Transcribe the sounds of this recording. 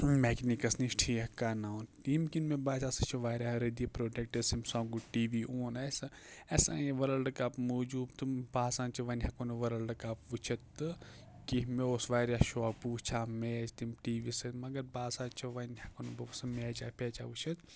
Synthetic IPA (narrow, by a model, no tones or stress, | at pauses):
meːknikɐsniʃʈʰiːɐkaːnaːwnʈiːmkinmebaːt͡ʃaːsɐt͡ʃʰuʋaːɾʲaːɾed̪iipɾoːʈek̚ʈɐsimsãːŋɡuʈiːʋiːʔoːnɐsɨ | ɐsa̰ːjeʋɐɾɐlɖɨkaːpmoːd͡ʒuːbt̪ɨbaːsãːnt͡ʃʰɐʋɐnʲhɐkonɐʋɐɾɐlɖɨkaːpʋut͡ʃʰɐt̪ːɨ | kiɦmeoːsʋaːɾʲaːʃoapuːt͡ʃʰaːmeːd͡ʒt̪imʈiːʋisɨmɐɡɐɾbaːsãːnt͡ʃʰɐʋɐnhɐkonubɐsɨmeːd͡ʒaːpʲeːt͡ʃaːʋut͡ʃʰɐt̪